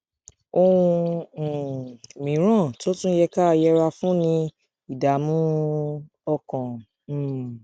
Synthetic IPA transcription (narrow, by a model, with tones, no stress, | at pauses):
o˧wũ˧˨ | mĩ˨˦ɾ̃ã˦˨to˦tũ˦jɛ˧ka˦a˧jɛ˧ɾa˧fũ˦nĩ˧ | i˨da˨˦mũ˦ | ɔ˧kã˨